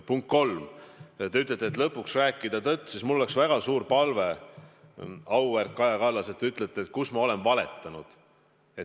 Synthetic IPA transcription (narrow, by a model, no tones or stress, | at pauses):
puŋk̚kːo̞lmt̪eyt̪ːˑlet̪ːet̪lɤpːˑuksræːkːˑid̪̥ɑt̪ɤt̪ːˑsismulːole̞ksvæɡ̥ɑsuːrpɑlve̞ | ɑwvært̪̚kɑjɑkɑlːɑset̪ːeyt̪ːˑlet̪ːˑet̪kusmɑo̞lenvɑle̞̰t̪ˑːɑnud̪̥ | e̞t̪